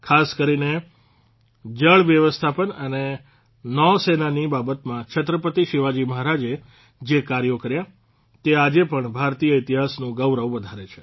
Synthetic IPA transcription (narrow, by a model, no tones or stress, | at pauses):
kʰaskəɾine | d͡ʒəɭʋjəʋəst̪ʰapənəne | nɔsenanibabət̪mãt͡ʃʰət̪ɾəpət̪iʃiʋad͡ʒiməɦɾad͡ʒe | d͡ʒekaɾjokəɾja | t̪ead͡ʒepəɳbʱaɾt̪ijəit̪iɦasnũɡəwɾəʋʋəd̪ʱaɾet͡ʃʰe̥